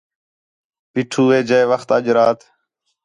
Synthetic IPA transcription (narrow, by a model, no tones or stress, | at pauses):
piːʈʰuːʋeːd͡ʒeːʋəxt̪əʄɾaːt̪